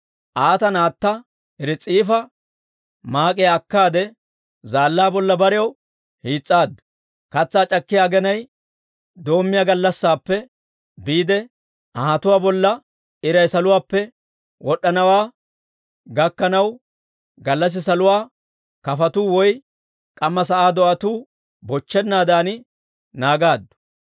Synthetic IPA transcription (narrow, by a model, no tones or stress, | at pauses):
ʔaːt̪ɐnaːt̪ːɐ | ɛɾɪt͡sʼiːfɐ | maːkʼɪjɐkːaːd̪ɛ | zaːlːaːbɔlːɐbɐɾɪjɐw | hiːt͡sʼːaːd̪ɐ | kɐt͡sːaːt͡ʃʼɐkːɪjaːɡɛnɐj | d̪o̞ːmːɪjaːɡɐlːɐsːaːpːɛ | biːd̪ɛ | ʔɐhɐt̪ʊwaːbɔlːɐ | ɪɾɐjsɐlʊwaːpːɛ | wɔɗːɐnɐwaː | ɡɐkːɐnɐw | ɡɐlːɐs̬ɪsɐlʊwaː | kɐfɐt̪uːwɔj | kʼɐmːɐs̬ɐʔaːd̪ɔʔɐt̪uː | bɔt͡ʃːɛnːaːd̪aːnɪ | naːɡaːd̪ːʊ̥